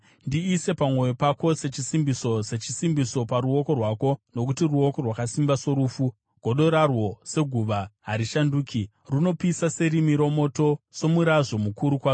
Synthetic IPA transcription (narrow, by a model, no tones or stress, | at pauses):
ndiːse̞pamwo̞jopako̞se̞t͡ʃisimbiso̞se̞t͡ʃisimbiso̞paɾuo̞ko̞rwaːko̞no̞kutiruo̞ko̞rwakasimbaso̞ɾuːfu | ɡ̥ʱo̞ɗo̞ɾarwo̞se̞ɡʱuʋaɦaɾiʃanduːkʰi | runo̞pisase̞ɾimiɾo̞mo̞to̞so̞muɾaʐo̞mukuɾukwa